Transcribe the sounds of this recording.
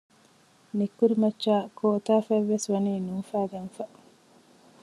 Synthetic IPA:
nikːuɾimɐt͡ʃːaːkʰoːt̪aːfæʋːesʋɐniːnuːfæːɡɐnfɐ

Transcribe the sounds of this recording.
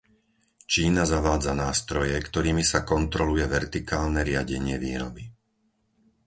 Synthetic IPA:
t͡ʃiːnazaʋaːd͡zanaːst̪ɾɔjɛkt̪ɔɾiːmisakɔnt̪ɾɔlujɛʋɛɾt̪ikaːlnɛɾɪaɟɛɲɪɛʋiːɾɔ̰bi

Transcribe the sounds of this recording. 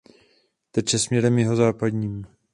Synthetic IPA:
t̪ɛt͡ʃɛsmɲɛɾɛmjɛɦo̞zaːpad̪ɲiːm

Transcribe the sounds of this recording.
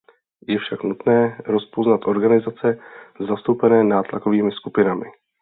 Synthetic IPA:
jɛfʃaknut̪nɛːɾo̞spoznat̪ʔo̞ɾɡanɪzat͡sɛzast̪owpɛnɛːnaːt̪la̰ko̞viːmɪskupɪnamɪ

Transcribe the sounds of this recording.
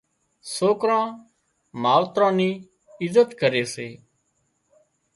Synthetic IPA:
soːkɾãː | maːlt̪ɾãːniː | ɪzət̪kəɾeːseː

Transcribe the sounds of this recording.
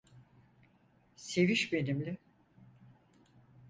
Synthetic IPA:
se̞viʃbe̞nimlʲɪ

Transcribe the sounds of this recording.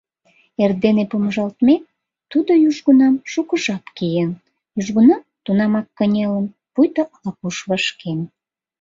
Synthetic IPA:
erd̪enepumʒɑlt̪me | t̪ud̪ojyʒɣunɑmʃukəʒɑpkijen | jyʒɣunɑmt̪unɑmɑkːənʲelən | pujt̪əlɑkuʃβəʃken

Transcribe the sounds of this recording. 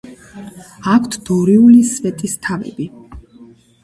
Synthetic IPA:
akʰt̪ʰd̪̥ɔɾiulisvɛt̪ʼist̪ʰavɛ̰bi

